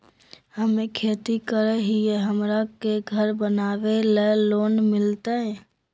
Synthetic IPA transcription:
həmẽkʰeːt̪ikəɾəɦiɛɦəmɾakeɡʱəɾbənaːʋeleloːnmɪlt̪aɦɛ̃ː

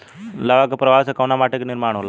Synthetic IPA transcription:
laʋakəpɾəʋasəkawnamaʈəkniɾmaɳ̃ola

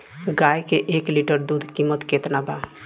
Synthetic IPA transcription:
ɡajkeʔekliʈəɾd̪ud̪ʱkimːət̪ket̪naba

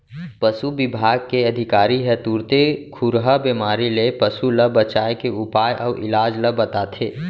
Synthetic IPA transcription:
pəsubɪbʱaːɡ̚keɐd̪ʱɪkaːɾiɦɛt̪uːɾt̪ekʰʊɾɦabemaːɾilepəsuləbət͡ʃaːekeʊpaːjʔɔːʔɪ̰laːd͡ʒləbɐt̪at̪ʰeː

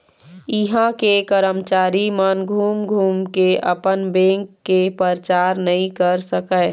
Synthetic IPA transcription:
ɪɦãkekəɾəmt͡ʃaːɾimənɡʱuːmɡʱuːmkeʔə̰pənbẽŋkːepəɾt͡ʃaːɾnəɦĩkəɾsəkəː

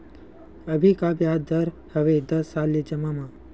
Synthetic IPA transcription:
əbʱikabjaːd̪əɾ | həʋed̪əsːaːlːid͡ʒəmamã

